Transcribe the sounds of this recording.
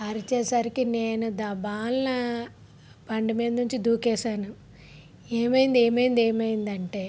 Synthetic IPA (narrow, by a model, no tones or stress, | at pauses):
ɐɾit͡ʃɛːsɐɾikineːnud̪ɐbaːlnɐ | pɐɳɖimeːd̪nuɲt͡ʃid̪uːkɛːsaːnu | eːmɐjind̪eːmɐjind̪eːmɐjind̪ɐɳʈe̞ː